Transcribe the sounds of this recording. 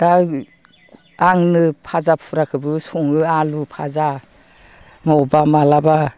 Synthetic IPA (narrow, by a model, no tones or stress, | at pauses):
d̥a | aŋnɯpʰazapʰuɾakʰɯbɯsɔŋɯalupʰaza | mawbamalaba